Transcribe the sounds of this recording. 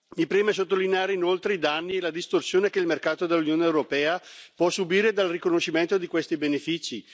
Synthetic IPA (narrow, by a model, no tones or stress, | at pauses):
mipɾiːmes̬ot̪ːolineaːɾeinolt̪ɾeid̪anːielad̪ist̪orsjoːnekeilmerkaːt̪od̪elːunjoːneewɾopɛːapwɔsːubiːɾed̪alrikonoʃːiment̪od̪ikwest̪ibenefit͡ʃi